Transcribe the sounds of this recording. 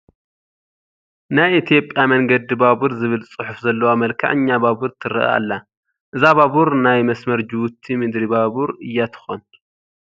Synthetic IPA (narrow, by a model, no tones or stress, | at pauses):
najit̪ʰijo̞pʼjamɐŋɡɐd̪ibabuɾzɨβɨlt͡sʼɨħʊfzɐlːɐwamɐlkʰa̰ʕɨɲːababuɾt̪ʰɨɾɨ̰ʔa̰lːa | ʔɨzababuɾnajmɐsmɐɾd͡ʒɨwʊt̪ʰːimɨd̪ɾibabuɾɨjːat̪ʰɨ̥xon